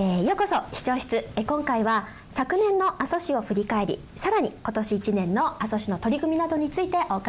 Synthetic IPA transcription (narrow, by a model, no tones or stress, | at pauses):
ejoko̞so̞ɕi̥t͡ɕo̞ːɕi̥t͡sɨekõ̞ŋkaiβa | sakɯ̟nẽ̞nːo̞ʔaso̞ɕio̞ɸɯ̟ɾʲikae̞ɾʲḭ | saɾaɲ̟iko̞t̪o̞ɕiːt͡ɕinẽ̞nːo̞aso̞ɕino̞t̪o̞ɾʲikɯ̟mʲinad̪o̞ɲ̟it͡sɨit̪e̞ʔo̞ka